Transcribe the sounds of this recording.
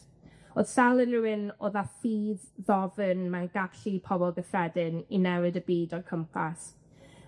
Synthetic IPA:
oːð̥salˠənruwɪnoːðaθiːðːɔvənmanɡaɬipʰɔbɔlˠɡəfɛdɪninɛwɨdəbiːdɔkʰəmpʰa̰s

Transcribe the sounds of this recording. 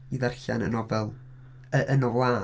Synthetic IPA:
iðarɬa̰nə̰nɔvɛlˠ | əʔənrwaː

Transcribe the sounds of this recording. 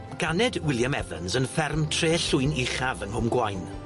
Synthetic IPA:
ɡ̥anɛdwɪlˠjamɛvə̰nzənfɛrmtʰreːɬʊɨnɪχavənhʊmɡwajn

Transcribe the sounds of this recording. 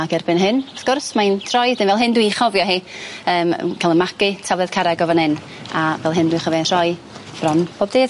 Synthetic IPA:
aɡɛrbɨnɦɨnafɡ̥ʊrsmajntʰrɔjdɪnvɛlˠɦɨndwiχɔvjɔɦiəːm̰kʰalˠənmakɨtʰavlˠɛð̥kʰaɾaɡɔvanhɨn | avɛlˠɦɨndwiχɔvɔntʰr̥ɔɨ | b̥rɔnpʰoːb̚deːd̥

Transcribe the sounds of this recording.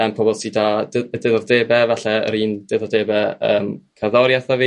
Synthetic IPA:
ɛmpʰɔbɔlˠsidadədɪðɔrdeːbɛvɛɬɛə̰ɾiːndɪðɔdeːbɛə̰ːmkʰaðɔɾjaθaviː

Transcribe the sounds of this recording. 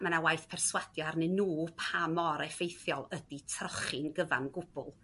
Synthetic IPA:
manawajθpʰɛrswad̥jɔarnɨnuːpʰamɔɾɛfejθjɔlˠəditʰrɔχɪnɡəva̰nɡʊb̥ʊ̰lˠ

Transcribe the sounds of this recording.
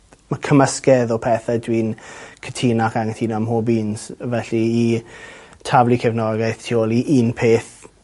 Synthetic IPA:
məkʰəməskɛðɔpʰɛθadwiːnkʰə̥tʰiːnakaŋətʰiːnamhobiːnsvɛɬiː | tʰavlikʰɛvnɔɡajθtʰioːlˠiʔiːnpʰeːθ

